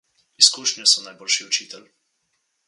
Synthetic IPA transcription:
iskuːʃnʲjɔsɔnajboːlʃiɔt͡ʃiːt̪ɛl

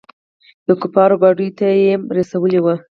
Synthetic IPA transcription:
d̪̥əkupɑɾobɑɖujt̪ajemɾasawəlewa

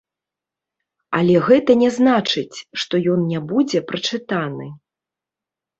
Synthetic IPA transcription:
ɐ̰lʲɛɣɛt̪ɐnʲɛznat͡ʂɨt͡sʲʂt̪ɔjɔnnʲɛbud͡zʲɛpɾɐt͡ʂɨt̪anɨ

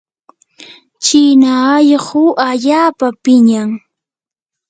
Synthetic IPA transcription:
t͡ʃinaːjɢʊʔaʎaːpapɪɲaŋ

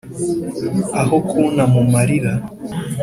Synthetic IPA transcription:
ahokʰunamumaɾiɾa

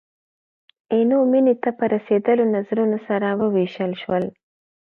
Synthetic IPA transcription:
enominit̪apəɾased̪əlonazɾunosaɾawəweʃəlʃwəl

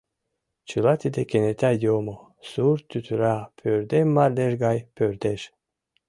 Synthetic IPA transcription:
t͡ʃɨlat̪id̪ekenet̪ʲajomo | suɾt̪ːyt̪ʰyɾapʰøɾd̪emmːaɾd̪eʒɡɑjpʰøɾd̪eʃ

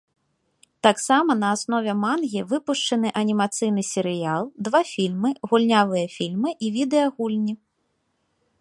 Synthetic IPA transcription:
t̪aksamɐnɐːsnɔvʲɛmanɣʲivɨpuʂt͡ʂɐnɨʔɐnʲimat̪sɨjn̪ɨsʲɛɾɨjalˠd̪vafʲilʲmɨɣulʲnʲavɨjɐfʲilʲmɨʔivʲid̪ɛjɐɣulʲnʲi

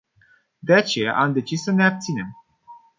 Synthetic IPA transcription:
d̪e̞at͡ʃe̞ja̰ʔamd̪e̞t͡ʃisːəne̞ab̚t̪sine̞m

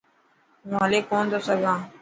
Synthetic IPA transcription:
ɦũːɦəleːkoːnd̪oːsəɡʱãː

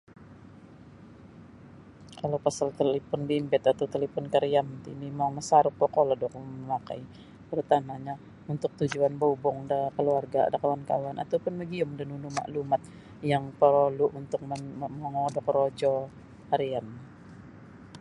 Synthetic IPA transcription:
kalawpasalt̪əlipɔnbimbɛt̪at̪awt̪əlipɔnkaɾijamət̪inimaŋməsaɾʊk̚pɔkɔlɔdɔk̚məlaka̰j | t̪əɾut̪amaɲa | unt̪ʊk̚t̪ud͡ʒuanboubɔŋdakəluarɡadakawanka̰wanʔa̰t̪awpʊnməɡiɔmdanunuma̰ʔlumat̪̚ | jaŋpəɾoluʔunt̪ʊk̚mmaŋɔdɔkɾod͡ʒɔ | haɾian

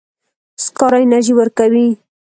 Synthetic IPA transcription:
skɑɾajnaʒiwəɾkawi

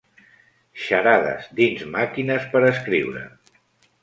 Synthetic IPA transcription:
ʃəɾaðə̰zd̪inzmakinəspəɾəskɾiwɾə̰

